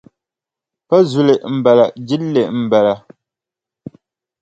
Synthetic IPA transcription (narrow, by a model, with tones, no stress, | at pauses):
pa˦zu˨le˨ʔm̩˨bɛ˨la˨ʔd͡ʒi˦lːe˨ʔm̩˨bɛ˨la˨